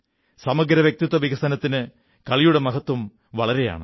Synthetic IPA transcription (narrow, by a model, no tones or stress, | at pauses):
sɐmɐɡɾɐʋjek̚t̪it̪ːɐʋiɣɐsɐnɐt̪ːinɨ | kɐɭijuɽe̞mɐɣɐt̪ːum | ʋɐɭɐɾe̞ja̰ːɳɨ̰